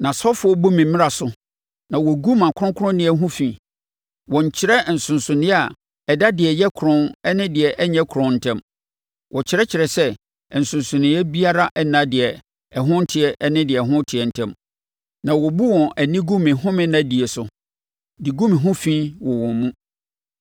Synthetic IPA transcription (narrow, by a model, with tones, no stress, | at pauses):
nã˨sɔ˦fʊ˨˦ɔ˦bu˦mɪ̃˨mɪ̃˦ɾa˨sʊ˨˦ | nã˨wɔ˨ɡu˦mã˨kʰʊ˦ʊ̃˦ŋkʰʊ˦ʊ̃˦nɪ̃˦ɛ˨˦ɦʊ̃˦fĩ˨ | wɔ̃˨ɲ˨t͡ɕʰɪ˦ɾɛ˦˨n̩˨sʊ̃˨nsʊ̃˨nɪ̃˦a˨ | ɛ˨da˦dɪ˨ɛ˨jɛ˦kʰɾɔ̃˦nɛ˦nɪ̃˦dɪ˨ɛ˨ʔɛ˦ɲɛ̃˦kʰʊ˨ɾɔ̃˨n̩˨tʰɛ̃˦m | wʔɔ˨t͡ɕʰɪ˦ɾɛ˦t͡ɕʰɪ˨ɾɛ˨sɛ˦˨ | n̩˨sʊ̃˨n˨sʊ̃˨nɪ̃˨˦ɛ˦bi˦a˦ɾa˦ʔɛ˦nã˦dɪ˨ɛ˨ | ɛ˨ɦʊ̃˦n̩˦tʰɪ˨ɛ˨ʔɛ˦nɪ̃˦dɪ˨ɛ˨ɦʊ̃˦tʰɪ˨ɛ˨n̩˨tʰɛ̃˦m | nã˨wɔ˨bu˦wɔ̃˨æ˨nĩ˦ɡũ˦mɪ̃˨ɦʊ̃˦mɪ̃˦nã˦di˨e˨sʊ˨ | di˨ɡũ˦mɪ̃˨ɦʊ̃˦fĩ˦wɔ˨wɔ̃˨mmũ˦